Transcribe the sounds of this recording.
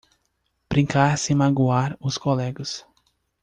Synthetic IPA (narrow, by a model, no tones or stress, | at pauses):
b̥ɾĩŋkaɾsɪmaɡuaɾʊskolɛɡɐs